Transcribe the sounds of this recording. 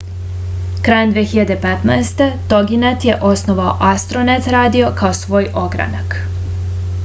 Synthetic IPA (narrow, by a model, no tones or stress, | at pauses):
kɾajnd̪ʋeːxiʎad̪epet̪naest̪e̞t̪oɡinat̪je̞ʔo̞snoʋao̰ʔast̪ɾonet̪ɾaːd̪io̞kaosʋo̞ːjʔo̞ɡɾa̰nak